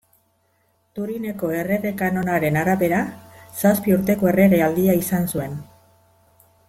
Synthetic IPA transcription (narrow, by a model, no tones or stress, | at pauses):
t̪uɾine̞ko̞e̞re̞ɣe̞kano̞naɾe̞naɾaβe̞ɾasaspiuɾt̪e̞ko̞e̞re̞ɣeald̪iaisansue̞n